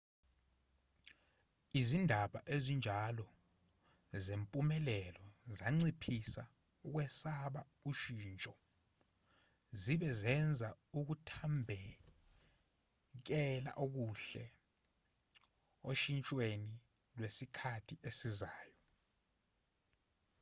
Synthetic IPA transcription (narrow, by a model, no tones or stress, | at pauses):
izindʱaɓa̰ʔezind͡ʒʱalɔ | zempʼumɛlɛlɔzaŋ͡ǀipʰisa̰ | uk̬wɛsaɓa | uʃiːnt͡ʃʼɔ | ziɓɛzɛnd͡zʱa | uk̬utʰambʱɛ | k̬ɛla̰ʔok̬uɬɛ | oʃint͡ʃʼweni | lwesikʰatʰiʔesizaːjɔ